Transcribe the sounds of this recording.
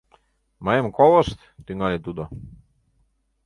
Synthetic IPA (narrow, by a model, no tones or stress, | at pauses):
majemkɔlˠɔst̪t̪yŋalʲit̪ud̪ɔ